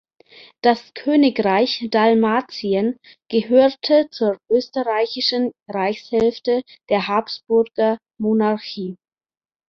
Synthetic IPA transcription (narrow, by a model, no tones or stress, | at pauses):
d̥askʰøːnɪkʁaɪçd̥almaːt͡siən | ɡ̥əɦøːtʰət͡suːɐʔøːstəʁaɪçɪʃn̩ʁaɪçshɛlftəd̥eːɐɦapsb̥ʊɐɡ̥ɐ | monaɐçiː